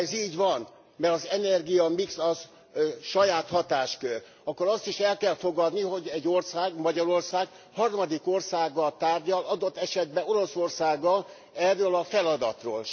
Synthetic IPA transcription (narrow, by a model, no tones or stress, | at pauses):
ɛziːɟvɒn | mɛɾɒzɛnɛrɡiɒmiksɒz | ʃɒjaːt̪hɒt̪aːʃkør | ɒkːoɾɒst̪iʃɛlkɛlfo̞ɡɒd̪niɦo̞ɟɛɟːo̞rsaːɡmɒɟɒɾo̞rsaːɡ | hɒrmɒd̪iko̞rsaːɡːɒlt̪aːrɟɒlɒd̪o̞t̪ːɛʃɛd̪̚bɛo̞ɾo̞so̞rsaːɡːɒl | ɛrːølɒfɛlɒd̪ɒ̰t̪ro̰ːl